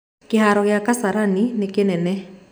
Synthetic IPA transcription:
kehaɾɔɣeakasaɾaninekenɛnɛ

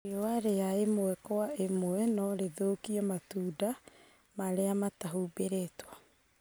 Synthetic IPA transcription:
oaɾejaemoɛkɔwaemoɛnɔɾeðoːkiɔmatuːda | maɾeamataɦubeɾetwa

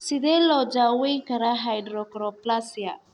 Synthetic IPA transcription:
sidelɔd͡ʒaweŋkaɾaɦajdɾɔkɾɔplasia

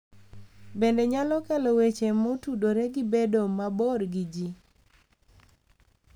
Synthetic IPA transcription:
bendeɲalɔkɛlɔwet͡ʃemotudoɾeɡɪbedomabɔɾɡid͡ʒi

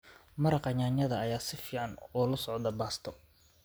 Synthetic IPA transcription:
mɐɾɑqɑɲaːɲɐðɐɐjaːsɪfiːʕɑnɔːlʊsɔʕd̪ɐbaːst̪ʰɔ

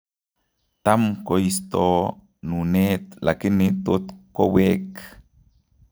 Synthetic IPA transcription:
t̪amkoist̪o | nuneːt̪lakinit̪ut̪kowek

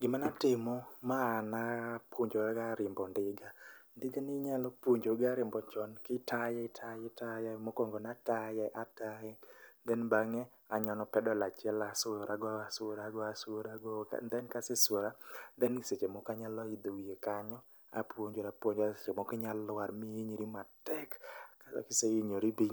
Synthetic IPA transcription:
ɡɪmanatɪmɔmanapwoɲd͡ʒoaɡaɾɪmbɔndɪɡandɪɡanɪɲalɔpwoɲd͡ʒoɡaɾɪmbɔt͡ʃɔnkɪtʰajɛɪtʰajɛtajɛmokoŋɡonatajɛʔatajɛnd̪ɛnbaŋɛ | aɲɔnɔpɛdɔlat͡ʃɪɛlasojɾʔaɡɔasɾaɡɔasoɾaɡɔka̰nd̪ɛnkaseswoɾand̪ɛnɪset͡ʃemokaɲalɔid̪owjekaɲɔ | a̰pwoɲd͡ʒoɾapwoɲd͡ʒset͡ʃemokɪɲalʊwaɾmiiɲiɾimatɛkːaskɪseiɲoɾibi

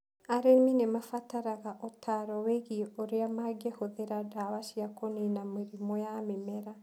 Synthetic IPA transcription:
aɾeminemafataɾaɣaʔotʰaɾɔweɣioɾeamaɡehoðeɾadawaʃiakoninameɾimɔjamemɛɾa

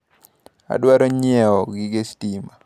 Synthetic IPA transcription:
a̰dwaɾoɲɪɛɔɡɪɡestima

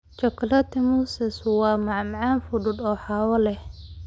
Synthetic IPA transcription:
t͡ʃɔklɐt̪ʰɪmuːsɛswɑːmɑʕmʕɑːnfʊɖʊd̪ɔːħɑːwɐlɛh

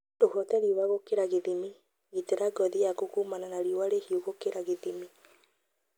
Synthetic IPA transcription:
dohɔtɛɾiowaɣokeɾaɣeðimi | ɣiteɾaɡɔðijakokumananaɾiowaɾehioɣokeɾaɣeðimi

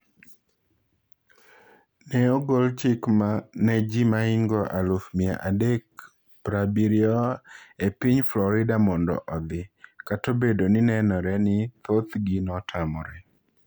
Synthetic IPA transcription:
nɛɔɡolt͡ʃɪkmanɛd͡ʒimaɪŋɡɔʔalofmia̰ʔadek̚ | pɾabiɾjɔepiɲflɔɾɪdamɔndɔ̰ʔɔd̪ɪkatobedonɪnɛnɔɾɛnɪt̪ot̪ɡinɔtʰamɔ̰ɾɛ

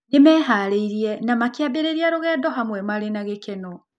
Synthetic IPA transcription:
nemɛːɦaɾeiɾiɛnamakjabeɾeɾiaɾoɣɛːdɔɦamwɛmaɾenaɣekɛnɔ

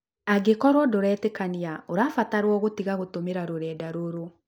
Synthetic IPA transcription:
aɡekɔɾwɔdoɾɛtɛkaniaoɾaːfataɾwɔɣotiɣaɣotomeɾaɾoɾɛːdaɾoɾo

